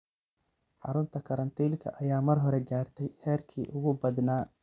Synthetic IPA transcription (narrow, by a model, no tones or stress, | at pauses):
ħɑɾʊnt̪ʰɐkʰɐɾɐnt̪ʰiːlkʰɐ̰ʔɐjaːmɐrɦɔɾɛɡaːrt̪ʰɛjhɛːrkʰḭːʔʊɣʊbɐd̪naː